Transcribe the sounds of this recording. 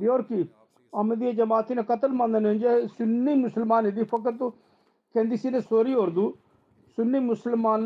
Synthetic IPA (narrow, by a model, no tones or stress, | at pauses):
boːɾki | əmd̪ieːd͡ʒəmaːt̪iːnẽːkət̪əlmãːnd̪ənɪ̃nd͡ʒesʊnːiːmʊsəlmaːneːd̪iːpʰəkəɾt̪o | kɛ̃ːnd̪iːsiːnẽːsoːɾiːɦoːɾd̪uː | sʊnːiːmʊsəlmaːn